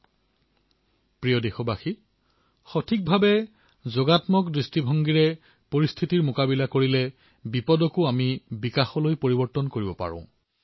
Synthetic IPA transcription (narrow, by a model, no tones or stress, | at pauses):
pɹijɔdexɔbaxi | xɔtʰik̚bʱabɛ | zoɡatmɔkdɹistibʱɔŋɡiɹɛ | poɹistʰitiɹmʊkabilakoɹilɛ | bipɔdɔkʊamibikaxɔlojpoɹibɔɹtɔnkoɹibɔpa̰ɹɔ̰̃ʊ̃